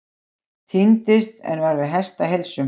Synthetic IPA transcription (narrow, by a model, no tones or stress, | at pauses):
t̪ʰint̪ɪst̪ɛ̰nvaɾvɪðɦɛ̥st̪aɦelsʏm